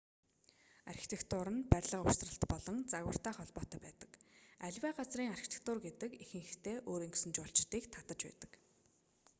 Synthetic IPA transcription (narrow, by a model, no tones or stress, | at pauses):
arxʲi̥t̪ʰekt̪ʰʊːɾə̆npæɾʲɮə̆qʊ̥srə̆ɬt̪pɔɮɞ̆nt͡saɣwə̆r̥t̪æːχɔɮpɔːt̪œːpæːt̪ə̥̆kæɮʲwæːɢat͡sriːŋarxi̥t̪ʰe̥k̚t̪ʊrɡet̪ɘ̆kixɘ̆ŋxxt̪ʰeːʔoːɾiːŋɡesɘ̆nt͡ɕʊɬt͡ɕt̪iːkt̪ʰat̪ə̆t͡ɕpæ̰ːt̪ə̆k